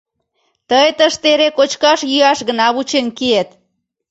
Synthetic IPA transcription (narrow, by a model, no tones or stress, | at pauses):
t̪əjt̪əʃt̪eɾekot͡ʃkɑʃjyɑʃɣənɑβut͡ɕenkiet̪